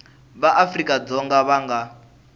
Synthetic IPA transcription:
βaʔafrikʼad͡zɔŋɡaβaŋɡa

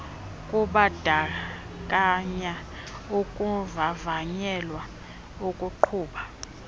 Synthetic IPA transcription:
kʼuɓad̥ʱa | kʼaɲa | ukʼuvavaɲɛlwa | ukʼuǃʰuːɓa

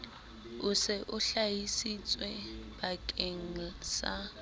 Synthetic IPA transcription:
ʊsɪʔʊɬajisit͡sʼwɛb̥akʼeŋ̩sa

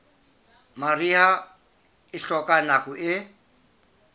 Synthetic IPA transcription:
mariɦa | ɪɬɔkʼanakʼʊʔɪ

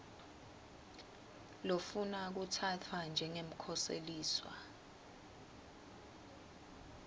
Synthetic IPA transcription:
lofunak̬utʰatʰwand͡ʒʱɛŋem̩kʰɔsḛliːswa̰

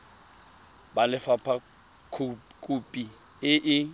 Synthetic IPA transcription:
balɪfapʰa | kʰukʼupʼi | ɪʔɪ

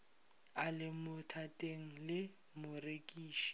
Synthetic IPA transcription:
alɪmʊtʰatʼeŋ̩lɪ | mʊrekʼiːʃi̥

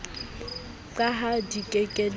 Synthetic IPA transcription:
ǃaɦadikʼekʼɛl

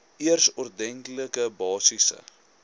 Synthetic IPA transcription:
iərsɔrdɛŋkləkəbɑːsisə̰

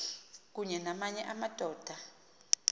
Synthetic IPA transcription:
k̬uɲɛnamaɲɛʔamad̥ʱɔːd̥ʱa

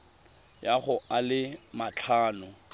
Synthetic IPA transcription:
jaɣʊalɪmat͡ɬʰaːnʊ

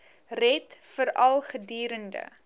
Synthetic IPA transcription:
rɛtfəɾɐlˠχədiːɾəndə̰

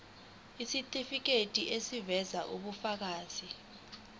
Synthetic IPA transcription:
isitʼifik̬etʼiʔesivɛzaʔuɓufak̬aːz̥i

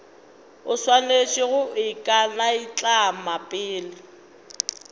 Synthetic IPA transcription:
ʊswanet͡ʃʼɪɣʊɪkʼanaɪt͡ɬʼamapʼɪːlɪ

